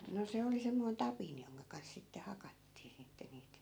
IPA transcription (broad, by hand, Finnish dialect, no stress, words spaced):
no se oli semːoin tɑpin joŋkɑ kɑns sitːe hɑkɑtːiː sitːe niːt